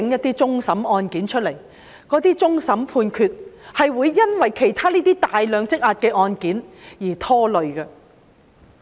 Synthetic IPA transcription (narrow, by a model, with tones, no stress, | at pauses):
ɪ˨˥ŋjɐ˥t̪ːiː˥t͡sʊ˥ŋsɐ˨˥mɔː˧nkiː˨˥nt͡ʃʰɵ˥t̚le˨˩j | kɔː˨˥t̪iː˥t͡sʊ˥ŋsɐ˨˥mpʰuː˧nkʰyː˧t̚hɐ˨jwuː˨˧jːɐ˥nwɐ˨jkʰe˨˩jt̪ʰaː˥liː˥t̪iː˥t̪aː˨jlœː˨˧ŋt͡sɪ˥k̚ʔaː˧t̚kɛː˧ʔɔː˧nkiː˨˥njiː˨˩t̪ʰɔː˥lɵ˨ɥkɐ˧